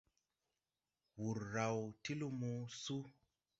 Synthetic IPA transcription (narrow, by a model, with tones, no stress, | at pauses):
wu˨ɾːa˨wti˦lu˦mu˦su˦